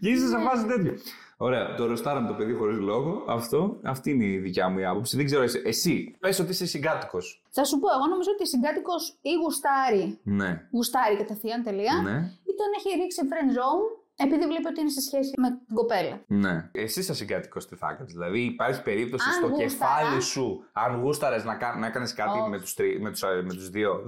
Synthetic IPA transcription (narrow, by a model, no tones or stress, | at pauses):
ceisɐs̬ɐvɐzit̪e̞t̪ço | o̞ɾe̞ɐ̰t̪oɾo̞st̪ɐɾɐmut̪o̞pe̞ðixo̞ɾizlo̞ɣo̞ɐft̪o̞ɐft̪iːneðicɐmuiɐpo̞psiðeɡze̞ɾoesiʔesipesot̪isesiɡɐt̪i̥ko̞s | θɐsupoe̞ɣo̞no̞mizɐot̪isiŋɡɐt̪iko̞siɣust̪ɐɾineɣust̪ɐɾikɐt̪ɐθiɐnt̪eliɐneit̪oneçeɾiksiefɾenzoum | e̞piðivle̞peo̞t̪iinesesçe̞simet̪iɡo̞pe̞lɐneesisɐsiŋɡɐt̪i̥ko̞st̪iθɐ̰kɐnezðilɐðiːpɐɾçi̥pe̞ɾip̚t̪o̞sisnt̪oɣcuesfɐlisuɐnɣust̪ɐɾeznɐkɐnɐekɐneskɐt̪imet̪u̥st̪ɾimet̪u̥sɐmet̪uzðio̞